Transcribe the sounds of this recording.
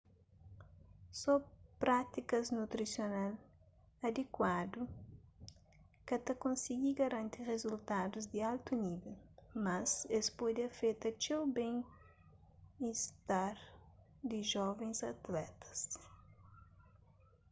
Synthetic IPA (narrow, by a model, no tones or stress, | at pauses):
sɔpɾat̪ikɐznut̪ɾisjonal | ɐd̪ekwad̪u | kɐt̪ɐkõnsiɡiɡɐɾɐ̃nt̪irezult̪ad̪uzd̪ialt̪univelmɐzespod̪ɐfet̪ɐt͡ʃewbẽŋ | ist̪aɾ | d̪iʒɔvẽzɐt̪lɛt̪ɐ̥s